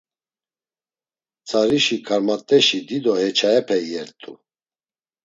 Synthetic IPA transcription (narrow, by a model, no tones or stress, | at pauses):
t͡sʰʼaɾiʃikʰaɾmat̪ʼɛʃid̪id̪ɔhɛt͡ʃʰaɛpʰɛjɛɾt̪ʼu